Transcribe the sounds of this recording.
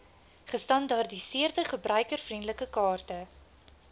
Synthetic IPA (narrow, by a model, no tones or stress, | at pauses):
χəstɐndɑrdisiərdəχəbrœɥkərfrindələkəkɑːrtə